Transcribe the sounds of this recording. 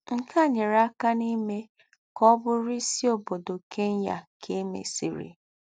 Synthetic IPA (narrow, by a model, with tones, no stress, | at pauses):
ŋ̩˦kʰa˦˨ɲe˨ɾa˦ka˦ni˦me˦ | kɔ˦bʊ˦ɾɪ˦si˦o˦bo˨do˨ke˦n̩˦ja̰˨kʰe˦mḛ˨sḭ˨ɾḭ˨